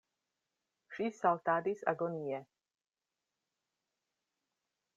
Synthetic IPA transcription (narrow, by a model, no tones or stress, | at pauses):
ʃisalt̪aːd̪isa̰ɡɔnijɛ